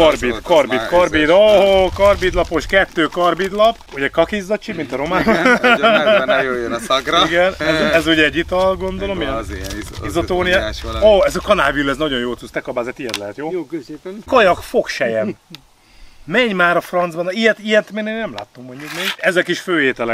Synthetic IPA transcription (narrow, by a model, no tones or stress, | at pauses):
kɒrbikɒrbit̪kɒrbid̪oɦokɒrbid̪lɒpo̞ʃkɛt̪ːøːkɒrbid̪lɒpuɟɛkɒkizːɒt͡ʃimint̪ɒɾo̞maːn | ɡiɡɛnɛzɛzuɟɛːɟːit̪ɒlɡo̞nd̪o̞lo̞mijɛ | izot̪oːnijɛoːɛzɒkɒnaːvilɛznɒɟo̞njoːlt̪suːst̪ɛkɒbaːzɛt̪ijɛt̪lɛɦɛt̪joː | kɒjɒkfo̞kʃɛjɛn | mɛɲmaːɾɒfrɒnd̪zbɒnijɛt̪ijɛt̪ːmeːneːnɛmla̰ːt̪ːomːoɲɟukmeɡɛzɛkiʃføːɦeːt̪ɛlɛ